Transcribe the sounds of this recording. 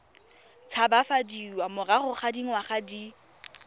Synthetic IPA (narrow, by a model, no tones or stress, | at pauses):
t͡sʰabafadiwamʊraχʊχadiŋ̩waχadi